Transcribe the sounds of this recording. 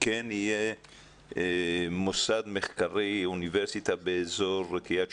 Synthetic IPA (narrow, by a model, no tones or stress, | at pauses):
kenije | mosad̪meχkaʁiuniveʁsit̪abeːzoʁkija